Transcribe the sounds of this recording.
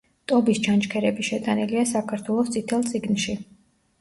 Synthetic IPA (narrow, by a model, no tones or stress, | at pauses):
t̪ʼɔbist͡ʃʰant͡ʃkʰɛɾɛbiʃɛt̪ʼaniliasakʰaɾt̪ʰwɛlˠɔst̪sʼit̪ʰɛlˠt̪sʼiɡnʃi